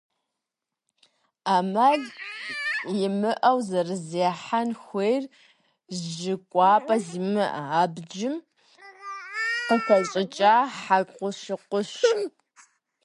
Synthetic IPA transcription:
aːmɐɮ | jɪmɨʔɐwzɐrɨzeːħanxʷejr | zʒɪkʷʼɑːpʼɐzimɨʔaːbd͡ʒɪm | qəkʷʰɐɕʼɪt͡ʃʼaːħaqʷʊʃɪqʷʊɕɪm

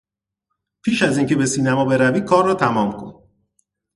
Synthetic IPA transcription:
pʰiːʃæziːŋce̞be̞siːnæmɒːbe̞ɾæviːd̪̚kʰɒːrːɒːt̪ʰæmɒːmkʰo̞̰n

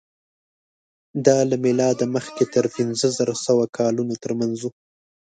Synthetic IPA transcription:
d̪ɑlamɪlɑd̪aməxket̪əɾpinzəzaɾasawakʰɑlunot̪əɾmanzu

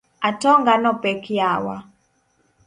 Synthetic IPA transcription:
atɔŋɡanɔpɛkjawa̰

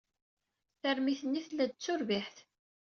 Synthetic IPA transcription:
θəɾmiθənːiθlːæd̪̚t͡sːʊɾviħθ

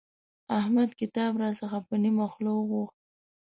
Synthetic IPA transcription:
ahmad̪kɪt̪ɑbɾɑsəxapənimaxlowəɣuxt̪̚

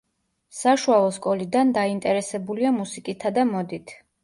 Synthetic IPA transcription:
saʃualˠɔskʼɔlid̪and̪aint̪ʼɛɾɛsɛbuliamusikʼit̪ʰad̪amɔd̪it̪ʰ

